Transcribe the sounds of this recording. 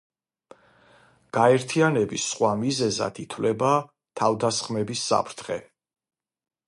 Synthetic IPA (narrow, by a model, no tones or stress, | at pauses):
ɡ̥aɛɾt̪ʰianɛbisχwamizɛza̰d̪it̪ʰwlɛba | t̪ʰavd̪asχmɛbisːa̰pʰɾt̪ʰχɛ